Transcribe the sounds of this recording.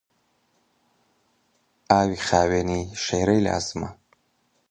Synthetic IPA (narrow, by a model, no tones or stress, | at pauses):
aːwiχaːweniʃeːɾɐjla̰ːzma̰